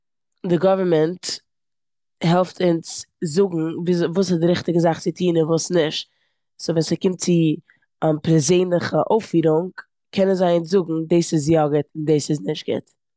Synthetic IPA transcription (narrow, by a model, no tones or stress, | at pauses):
dəɡɔvəɾmɛnt | hɛlˠftɪnszʊɡŋ̩viːvuːsɪzdɪɾɪχtɪɡəzaχt͡sɪtʰiːnəvuːsnɪʃt | sovɛnsəkɪmt̚t͡sɪ | ampɾɛzeɪnləχəʔoʊfiːɾʊŋk | kʰːɛnəzaɪnzʊɡŋ̩deɪsɪz̬jɔɡətndeɪsɪznɪʃt̚ɡ̥ɪ̰t